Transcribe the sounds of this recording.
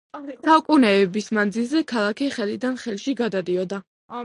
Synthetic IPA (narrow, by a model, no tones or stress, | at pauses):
saukʼunɛːbismand̪zilˠzɛkʰalˠakʰɛχɛlid̪anχɛlˠʃiɡad̪ad̪iɔd̪a